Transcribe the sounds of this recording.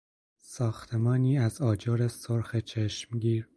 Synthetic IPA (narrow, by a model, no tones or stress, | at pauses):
sɒːxt̪ʰe̞mɒːniːæzɒːd͡ʒɒːɾesoɾxet͡ʃʰeʃmɡiːɾ